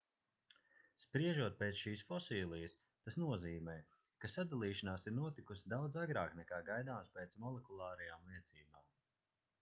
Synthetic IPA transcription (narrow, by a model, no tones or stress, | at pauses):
spɾiɛʒuɔt̪̚peːt̪sʃiːsfɔsiːlˠijəs | t̪asnuɔziːmɛː | kasad̪alˠiːʃanaːsiɾnuɔt̪ikusid̪awd̪zaɡɾaːknɛkaːɡajd̪aːmspeːt̪smɔlˠɛkulˠaːɾɐjaːmliɛt̪siːbaːm